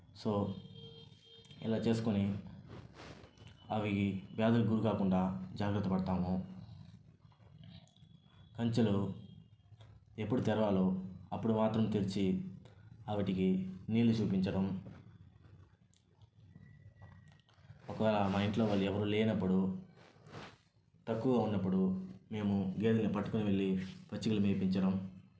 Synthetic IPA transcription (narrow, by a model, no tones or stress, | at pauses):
so̞ː | ḭlaːt͡ʃe̞ːsu̥kuni | ɐʋiiʋjaːd̪ɐluɡuɾukaːkuɳɖaːd͡ʒaːɡɾɐt̪ːɐpɐɽt̪aːmu | kɐɲt͡ʃɐlu | e̞pːuɽut̪ɛɾɐʋaːloːɐpːuɽumaːt̪ɾɐmt̪ilit͡ʃi | ɐʋiʈikiniːlut͡ʃuːpiɲt͡ʃɐɽɐm | ɔkɐʋɛːlamɐjɳʈlo̞ːʋɐɭːiɛʋɐɾuleːnɐpːuɽu | t̪ɐkːuɡaːunːɐpːuɽume̞ːmuɡeːd̪ɐŋɡɐpɐʈːukuniʋɐɭːipɐt͡ʃːiɡulumeːpiɲt͡ʃɐɽɐm